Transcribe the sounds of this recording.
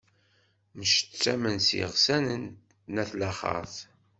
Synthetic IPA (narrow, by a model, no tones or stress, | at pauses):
mʃə̥t͡sːæmənsḭʁsænən | næθlæχə̰θ